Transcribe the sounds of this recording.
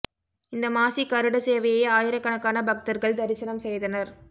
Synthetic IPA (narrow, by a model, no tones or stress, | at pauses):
ɪnd̪ɐmaːsikɐɾɯɽɐseːʋɐjɐjaːjɪɾɐkːɐɳɐkːaːnɐbɐk̚t̪ɐɾɣɐɭd̪ɐɾɪsɐnɐmsɛjðɐnɐɾ